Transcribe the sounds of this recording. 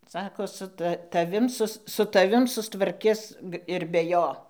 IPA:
ˈsɑːkoː sʊ ˈtɐ tɐˈʋʲɪm ˈsʊs sʊ tɐˈʋʲɪm sʊstʋɐrʲˈkʲɪs ɪr bʲɛ ˈjoː

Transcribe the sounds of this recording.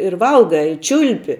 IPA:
ɪr ˈʋɐlˠɡɐɪ ɪ ˈt͡ʃʲʊlʲpʲɪ

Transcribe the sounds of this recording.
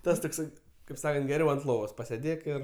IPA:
ˈtɐs toːkˈsɐɪ kɐɪp ˈsɑːkɐnt ɡʲɛˈrʲɛʊ ɐnt ˈlˠoːʋoːs pɐsʲeːˈdʲeːk ɪr

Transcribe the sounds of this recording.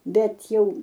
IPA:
ˈbʲɛt ˈjɛʊ

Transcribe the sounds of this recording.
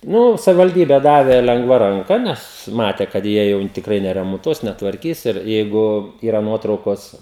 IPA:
ˈnʊ sɐʋʲɪʋɐlʲˈdʲiːbʲɛ ˈdɑːʋʲeː lʲɛŋˈɡʋɐ rɐŋˈkɐ ˈnʲɛs ˈmɑːtʲɛ kɐt ˈjiɛ jɛʊ tʲɪkˈrɐɪ nʲɛrʲɛmoːnˈtuɔs nʲɛtʋɐrʲˈkʲiːs ɪr ˈjɛɪɡʊ ˈiːrɐ ˈnuɔtrɐʊkoːs

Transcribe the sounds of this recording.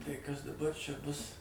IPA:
tɐɪ ˈkɐs dɐˈbɐr ˈt͡ʃʲɛ ˈbʊs

